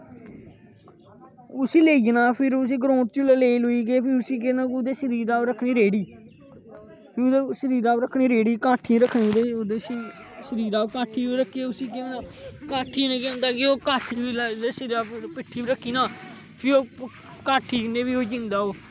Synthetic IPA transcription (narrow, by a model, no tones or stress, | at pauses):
ʊsiːleːid͡ʒnaːpʰɪɾʊs̬ĩːɡɾõːʈ̚t͡ʃũləleːloiːɡeːpʰɪɾʊsiːk̬enaːkʊd̪eːʃəɾiːɾaːɾəkʰɳiːɾeːɽiː | pʰɪɾd̪eːʃəɾiːɾaːɾəkʰɽ̃iːɾeːɽiːkaːʈʰĩɾəkʰːnid̪eːod̪eːiːʃəɾiːɾaːokaːʈʰːiːiːɾəkʰːiːeʊsiːkẽaːkaːʈʰːiːnẽkẽːnd̪aːkɪoːkaːʈʰiːbild̪eːsəɾiːɾaːpɪʈʰːiːbiɾəkʰːiːnaː | pʰɪoː | kaːʈʰiːkneːbiːoːd͡ʒɪ̃nd̪aːoː